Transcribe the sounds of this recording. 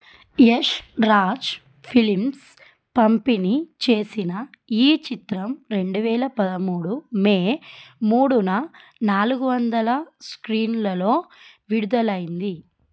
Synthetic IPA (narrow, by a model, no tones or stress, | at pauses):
jeʂɾaːt͡ʃ | pʰilims | pɐmpinit͡ʃe̞ːsinɐiːt͡ʃit̪ɾɐmɾe̞ɳɖuʋɛːlɐpɐd̪ɐmuːɽumeːmuːɽunɐnaːluɡuʋɐnd̪ɐlɐskɾiːnlɐlo̞ː | ʋiɽud̪ɐlɐjind̪i